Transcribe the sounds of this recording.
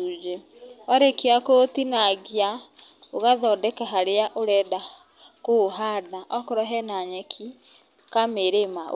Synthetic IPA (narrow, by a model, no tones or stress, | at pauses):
ud͡ʒɛ | ɔɾɛkiakotinaɡja | oɣaðɔːdɛkaɦaɾeaʔoɾɛːda | koɦanaʔɔkɔɾɔɦɛnaɲɛkʰi | kameɾema̰